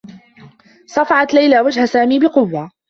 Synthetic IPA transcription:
sˤɑfɑʕɑt̪lajlaːwad͡ʒhasaːmiːbɪqʊwːa

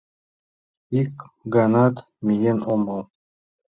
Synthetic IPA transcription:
ikɡanɑt̪ | mʲijenomɑlˠ

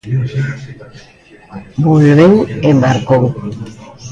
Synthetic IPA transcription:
bulβewembaɾkow

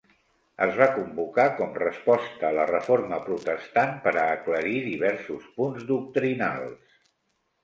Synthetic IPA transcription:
əzβakumbukakɔmrəspɔst̪əːlərəfoɾməpɾut̪əst̪anpəɾəːkləɾiðiβ̞ɛɾsuspunzd̪uk̚t̪ɾina̰lˠs

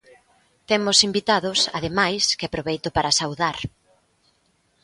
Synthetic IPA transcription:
t̪emʊsimbit̪aðʊsa̰ðemajskɪapɾoβejt̪ʊpaɾasawðaɾ

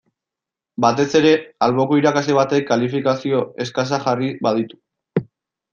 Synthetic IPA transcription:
bat̪e̞se̞ɾe̞alβo̞koiɾakasleβ̞at̪e̞kːalifikasio̞e̞skas̬axariβað̞it̪u̥

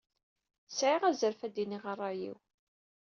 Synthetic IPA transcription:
sʕiʁæzəɾfæd̪iniʁɑrˤːɑjḭw

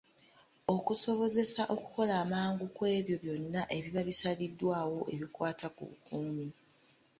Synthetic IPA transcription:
o̞kuso̞βo̞ze̞saʔo̞ku̥ko̞laːmaːŋɡukwe̞ːβjo̞βjo̞nːaʔeβiβaβisalidːwaːwo̞ʔeβikwaːtakṵβṵkuːmi

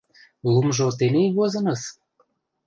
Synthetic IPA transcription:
lumʒot̪enejβozɤ̆nɤ̆s

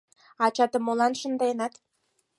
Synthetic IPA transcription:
ɑt͡ɕɑt̪ə̆molˠɑnʃə̆nd̪ɑnɑt̪

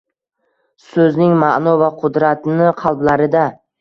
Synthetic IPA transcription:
sɵznɪŋmaʔnɒvaqʰʊd̪ɾat̪nɪqʰɑlˠblaɾɪd̪a

